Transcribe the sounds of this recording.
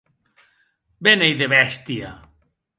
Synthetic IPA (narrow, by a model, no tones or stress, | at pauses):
benejðeβɛst̪ia